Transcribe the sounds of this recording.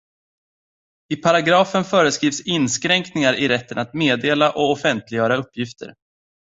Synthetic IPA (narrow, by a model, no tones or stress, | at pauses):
ɪpʰaɾaɡɾɑːfənfœːɾəskɾiːvsɪnːskɾɛŋknɪŋaɾʔɪɾɛt̪ːə̰nat̪meːd̪eːlaʔɔɔfɛnt̪lɪɡjœːɾaɵpːjɪft̪ʰə̰ɾ